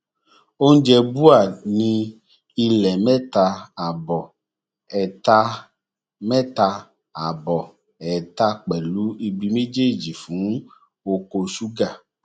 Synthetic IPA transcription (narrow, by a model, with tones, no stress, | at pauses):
o˦ŋ̩˦d͡ʒɛ˧bu˦a˨nĩ˧ | i˧lɛ˨mɛ˦t̪a˧a˨bɔ˨ | ɛ˨t̪a˧ | mɛ˦t̪a˧ | a˨bɔ˨ | ɛ˨t̪a˧k͡pɛ˨lu˦i˧bi˨me˦d͡ʒe˦˨d͡ʒi˨fũ˨˦ŋ˦ | wo˧ko˧su˦ɡa˦˨